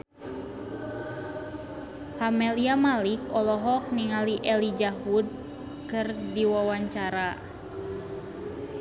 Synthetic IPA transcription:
hamɛliamalikɔlɔɦɔk̚niŋaliʔɛlid͡ʒaɦud̚ | kɨrdiwawaɲt͡ʃaɾa

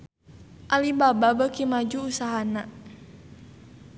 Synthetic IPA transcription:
ʔalibababəkimad͡ʒuːsaɦana

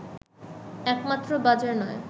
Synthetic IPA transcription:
ɛkmat̪ːɾobad͡ʑaɾnɔe

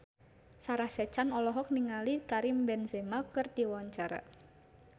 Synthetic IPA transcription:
saɾahsɛt͡ʃanɔlɔɦɔk̚niŋalikaɾimbɛnzemakɨrdiwaɲt͡ʃaɾa̰

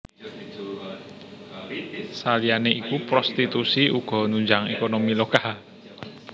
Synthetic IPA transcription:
salijaneʔikupɾost̪it̪usiuɡ̥ɔ̤nuɲd͡ʒaŋekonomilokal

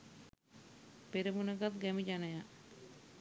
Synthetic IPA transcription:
peɾimunəɡat̪ɡɛmid͡ʒanəja

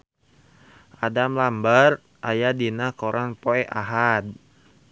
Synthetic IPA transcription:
ʔadamlambər | ʔajadinakɔɾʔaŋpoɛʔaɦad̚

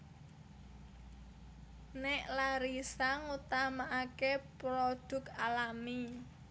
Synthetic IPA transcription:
neʔlaɾisaŋut̪amaʔakepɾoɖ̥ʊ̤kalami

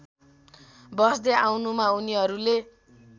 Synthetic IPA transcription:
bʌsd̪eawnumauniɦʌɾule

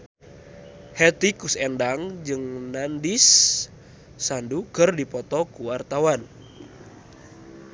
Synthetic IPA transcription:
hɛt̪ikusɛndaŋd͡ʒɨŋnandis | andukɨrdipɔt̪ɔkuwart̪awan

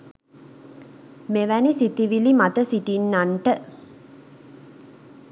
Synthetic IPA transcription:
meʋænisit̪iʋilimat̪əsiʈinːaɳʈə

